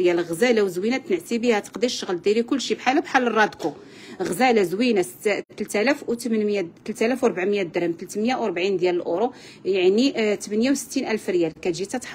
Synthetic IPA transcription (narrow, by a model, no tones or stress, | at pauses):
jælɣzælæwzwinæt̪nəʕt̪ibihæt̪ə̥qd̪iʃːəɣld̪iɾikʊlːʃibħalæbħalːərˤːɑd̪ku | ɣzælæzwinæsə̥t̪ːt̪əlt̪ælæft̪mənmjæt̪əlt̪ælæfwɾˤbaʕmjæd̪əɾhəmt̪əlt̪mjawɾˤbʕind̪jæləlʔoɾu | jaʕnit̪əmənjawsə̥t̪ːinʔælfɾjælkæt̪ʒit̪æt̪ħ